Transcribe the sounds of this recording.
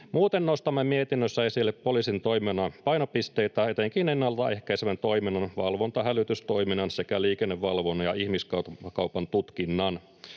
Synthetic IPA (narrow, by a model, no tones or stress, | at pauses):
muːt̪enːost̪ɑmːemiet̪inːøsːæe̞silːeppo̞lisint̪o̞jmenɑpɑjno̞pist̪eit̪æet̪eŋkinenːɑlt̪ɑe̞hkæisemænt̪o̞iminɑnʋɑlʋo̞nt̪ɑɦælyt̪yst̪o̞iminɑnsekæliːkenːeʋːɑlʋonːɑjɑihmiskɑkɑwpɑnt̪ut̪kinːɑn